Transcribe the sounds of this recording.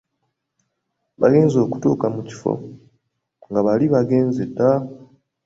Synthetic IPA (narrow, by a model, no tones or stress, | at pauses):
βaɡe̞ːnzo̞ːku̥to̰ːkamuci̥fo̞̰ | ŋɡaβaliβaɡe̞ːnzeda